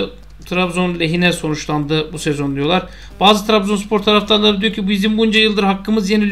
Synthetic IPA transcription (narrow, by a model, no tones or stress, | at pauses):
t̪ʰɾabzo̞nlʲeɦinɛso̞nut͡ʃlˠand̪ɯbusezo̞nd̪ijo̞lˠaɾ | b̥aːzɯt̪ʰɾabzo̞nspʰo̞ɾt̪ʰaɾaft̪anlˠaɾɯd̪ijo̞ɾcʰibuiizimbuynd͡ʒajɯlˠd̪ɯɾɦakːɯmɯzjenilʲ